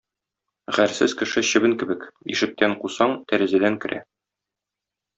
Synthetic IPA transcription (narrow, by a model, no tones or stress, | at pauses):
ʁæɾsɘz̥kɘ̆ʃɘɕɘ̆bɘŋkɘ̆bɘkḭʃɘ̆k̚t̪æɴqusɑɴt̪æɾɘ̆zæd̪æŋkɘ̆ɾʔæ̰